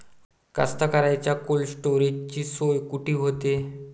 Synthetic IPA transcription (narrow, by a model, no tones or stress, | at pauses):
ka̰st̪akaɾajt͡ɕjakolsʈoɾid͡ʑt͡ɕiːsojkuʈʰiːɦot̪e